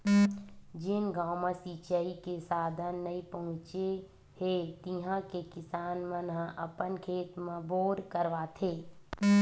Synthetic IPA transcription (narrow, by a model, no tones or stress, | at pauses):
d͡ʒɪnɡaːmãsiːt͡ʃaikesaːd̪ʱənːɐipəɦʊ̃t͡ʃe | het̪iɦãkekɪsaːnmə̃nãʔɐpənkʰeːt̪mẽboːɾkəɾʋaːt̪ʰeː